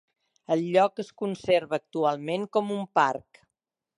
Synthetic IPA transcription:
əlˠʎɔkəskunseɾβəːk̚t̪ualˠmeŋkɔmumpark

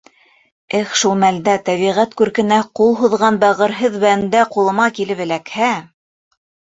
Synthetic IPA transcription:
ɘχʃulˠmæld̪æt̪æβiʁæt̪kʉɾkɘ̆næqulˠɦuðʁɑnbɑʁɤ̆ɾɦɤðbæ̆nd̪æqulˠɤ̆mɑkilɘpɘ̆lækhæ

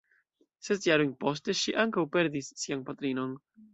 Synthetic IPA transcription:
se̞sjaɾojnpo̞ste̞ʃiʔaŋkawpe̞ɾdisːianpatɾino̞n

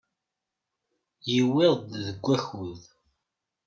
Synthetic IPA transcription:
jəwɪðˤðəɡʷːæçuð

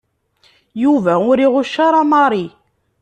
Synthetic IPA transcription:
juvæʊɾiʁʊʃːaɾˤɑmɑɾˤi

